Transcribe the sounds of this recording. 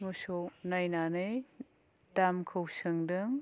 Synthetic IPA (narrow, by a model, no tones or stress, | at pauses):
mosownajnanɯj | damkʰɐwsɯŋdɯŋ